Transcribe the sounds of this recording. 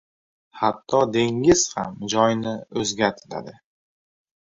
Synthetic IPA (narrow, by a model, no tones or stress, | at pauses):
hat̪ʰːɒd̪e̞ŋɪz̥hamd͡ʒɒjnɪɵzɡʲat̪ʰɪla̰d̪ɪ